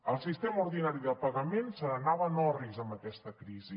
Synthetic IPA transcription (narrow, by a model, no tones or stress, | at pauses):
əlˠsist̪eməuɾðinaɾiðəpəɣəmensənənaβənɔrizəmbəkɛst̪əkɾizi